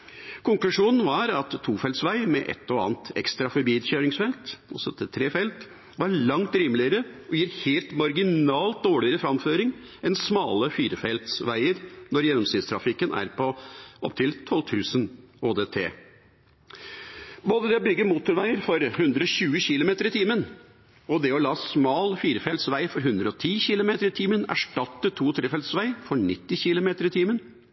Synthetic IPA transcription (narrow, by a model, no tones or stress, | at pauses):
kʊŋklʉʂuːnn̩ʋɑɾɑt̪ʰːuːfɛlt̪sʋæɪmɛ̰ʔɛ̰t̪ːɔɑ̰ːnt̪ɛ̰kst̪ɾɑfɔbiːd̪çøːɾɪŋsfɛlt̪ɔ̰sɔt̪ʰɛt̪ʰɾeːfɛlt̪ | ʋɑɾɭɑŋt̪ɾiːmlɪəɾəʔɔjiːɾheːlt̪mɑɾɡɪnɑːlt̪̚d̪oːɭɪəɾəfɾɑmføːɾɪŋ | ɛnsmɑːləfiːɾəfɛlt̪sʋæɪəɾnɔɾjɛnːɔmsɪːd̪st̪ʰɾɑfɪkːənæ̰ɾpʰɔʔɔp̚t̪ʰɪlt̪ʰɔlt̪ʰʉːsənoːd̪eːt̪ʰḛː | boːd̪əd̪ɛɔbʏɡːəɾmuːt̪ʊɾʋæɪəɾfɔɾhʉnd̪ɾəɔɕʉːəçɪlʊmeːt̪əɾɪt̪ʰiːmən | ɔd̪ɛɔlɑːsmɑːlfiːɾəfɛlt̪sʋæɪfɔɾɦʉnd̪ɾəɔt̪ʰiːçɪlʊmeːt̪əɾɪt̪ʰiːmənæ̰ʂʈɑt̪ːətʰuːt̪ʰɾeːfɛlt̪sʋæɪfɔɾɳɪt̪ːɪçɪlʊmeːt̪əɾɪt̪ʰiːmən